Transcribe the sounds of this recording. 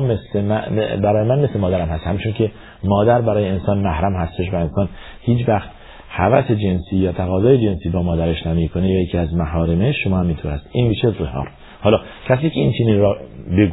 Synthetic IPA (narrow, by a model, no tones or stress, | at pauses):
mesemæbæɾɒːjemænmeslemɒːd̪æɾæmhæst̪hæmit͡ʃʰonkʰe | mɒːd̪æɾbæɾɒːjeensɒːnmæhɾæmhæst̪e̞ʃ̬væe̞nsɒːn | hiːt͡ʃvæxt̪ | hævæsed͡ʒe̞nsiːjɒːt̪ʰæɣɒːzɒːjed͡ʒensiːbɒːmɒːd̪æɾe̞ʃnæmiːkʰonejɒːjecʰiːæzmæɦɒːɾemeʃʃomɒːhæmint̪ʰoːɾæst̪ʔinmiːʃezehɒ̰ːɾ | hɒːlɒː | cʰæs̬iːcʰeint͡ʃʰeninɾɒbeɡu